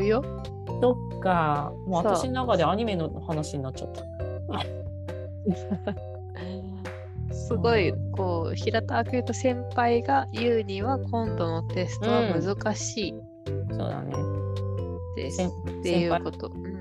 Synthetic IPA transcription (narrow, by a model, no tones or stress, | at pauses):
ɯjo | so̞kːamoːataɕinonakad̪eaɲ̟ime̞nohanaɕiɲ̟inat͡ɕt͡ɕːa̰t̪ːḁ | sɨɡo̞iko̞ːçiɾat̪aːkɯɯt̪o̞sẽ̞mpaiɡajɯ̟ːɲ̟ĩβakʰõ̞nd̪o̞no̞t̪e̞sɨ̥t̪oβamɯ̟zɨkaɕiː | so̰ːd̪a̰nḛ | d̪ḛt̪ːeɯːkot̪o̞